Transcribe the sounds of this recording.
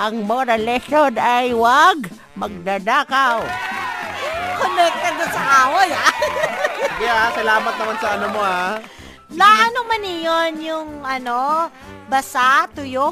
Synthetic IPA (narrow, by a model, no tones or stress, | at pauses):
ʔɐŋmoɾɐlɛʃonajwaɡ | mɐɡ̚d̪ad̪aːkaw | konɛt̪̚kɐd̪onsɐʔaːwoja | jaʔsɐlaːmɐt̪̚nɐmansɐʔɐnomoha | laʔɐnomanɪjonjʊŋɐno | bɐsaʔt̪ʊjo